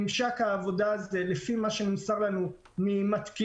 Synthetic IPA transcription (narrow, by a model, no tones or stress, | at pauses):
mʃakhaːvo̞daːzelefimaʃenimsaʁlanu | mimat̪ki